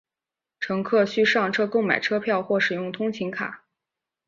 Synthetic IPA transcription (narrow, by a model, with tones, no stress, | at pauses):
ʈ͡ʂʰɤ˧˥ŋkʰɤ˥˩ɕy˥ʂɑ˥˩ŋʈ͡ʂʰɤ˥ko˥˩ʊma˨˩ɪʈ͡ʂʰɤ˥pʰjɑ˥˧ʊxwɔ˥˩ʂɻ̩˨˩jʊ˥˩ŋt̪ʰʊ˥ŋt͡ɕʰi˧˥ŋkʰa̰˨˩˦